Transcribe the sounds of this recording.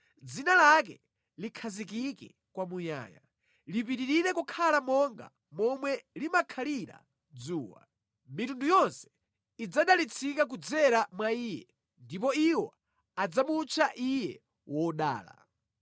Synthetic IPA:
d͡zinalak̬ɛ | likʰazikikɛ̰ | kwamuɲa̰ːja̰ | lipiɾiɾiɾɛkukʰalamɔŋɡa̰ | mɔmwɛlimakʰaliɾa̰ | d͡zuːwa̰ | mitundujɔnsɛ̥ | id͡zaɗalit͡sʰikak̬ud͡zɛɾamwaiːjɛ̰ | ndip̬ɔiwɔ | ad͡zamut͡ʃʰaʔijɛ̰ | wɔɗa̰ːla̰

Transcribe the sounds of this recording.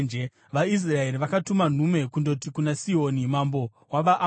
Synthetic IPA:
nd͡ʒe | ʋais̬rae̞ɾiʋakatuman̤ume̞kundo̞tikunasio̞ːnimambo̞ | waʋaʔ

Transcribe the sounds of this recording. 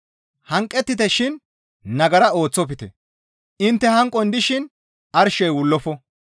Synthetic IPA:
hɐŋkʼːɛt̪ːɪt̪ɛʃɪn | nɐɡɐɾɐo̞ːt͡sːɔp̬ɪt̪ɛ̰ | ɪnt̪ːɛhɐŋkʼːɔnd̪ɪʃɪn | ɐɾʃɛjwʊlːɔfɔ

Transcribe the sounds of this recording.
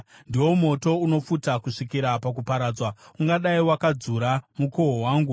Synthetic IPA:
ndiwo̞mo̞to̞uno̞futakuʂikiɾapakupaɾaːd͡zwauŋɡaɗaiwakad͡zuɾamukoɦowaːŋɡu

